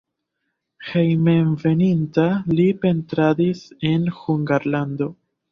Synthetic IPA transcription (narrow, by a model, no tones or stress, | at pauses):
hejmenve̞nintalipe̞ntɾadise̞nhuŋɡaɾlando̞